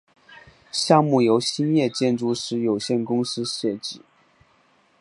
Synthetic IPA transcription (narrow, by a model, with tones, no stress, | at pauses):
ɕjɑ˥˧ŋmu˥˩jo˧˥ʊɕi˥njɛ˥˧t͡ɕjɛ˥˧nʈ͡ʂu˥˩ʂɻ̩˧˥jo˨˩ʊɕjɛ˥˩nkʊ˥ŋsɹ̩˥ɕjɛ˥˩t͡ɕi˨˩˦